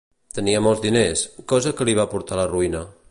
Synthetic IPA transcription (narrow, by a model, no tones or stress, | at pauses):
t̪əniəmɔlˠzd̪ineskɔzəkəliβ̞apuɾt̪aləruinə